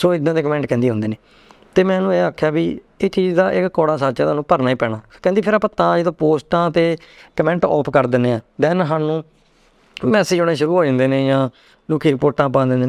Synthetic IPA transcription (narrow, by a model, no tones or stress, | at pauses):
soːɪd̪ːãːd̪eːkəmɛ̃ːɳʈkɛ̃ːd̪iːɦʊ̃nd̪eːneː | t̪eːmɛ̃ːnũːeːaːkʰːjaːbiː | eːt͡ʃiːzd̪aːʔɪkkɔːɽaːsaːɾt͡ʃaːt̪aːnũːpəɾnaːiːpɛːɽ̃aːkɛ̃ːd̪iːpʰɪɾapət̪ːãːeːd̪aːpoːsʈãːt̪eːkəmɛ̃ːɳʈɔ̰ːpʰkəɾd̪ɪnːeːãːd̪ɛːnɦaːnũː | mɛːseːd͡ʒoːɽẽːʃʊɾuːɦoːd͡ʒãːnd̪eːneːjãː | luːkʰːiːɾɪpoːɾʈãːpãːd̪ɪ̃nd̪eː